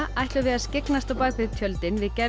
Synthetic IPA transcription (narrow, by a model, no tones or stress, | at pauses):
ajht̪lʏvɪðaðscɪknast̪awpaːkvɪðt̪ʰjœlt̪ɪnvɪðcɛ